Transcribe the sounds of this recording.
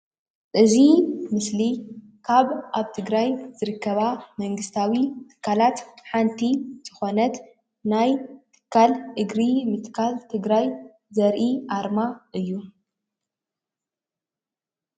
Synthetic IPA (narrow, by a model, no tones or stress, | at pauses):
ʔʼɨzimɨsli | kʰaβʔaβt̪ʰɨɡɾajz̥ɨɾɨkːɐβamɐŋɡɨst̪ʰawit̪ʰɨ̥kʰːalat̪ħant̪ʰizʰɨxo̞nɐt̪ | najt̪ʰɨ̥kʰːalʔɨɡɾimɨt̪kʰalt̪ʰɨɡɾaj | zɐɾʔiʔaɾmaʔɨjːu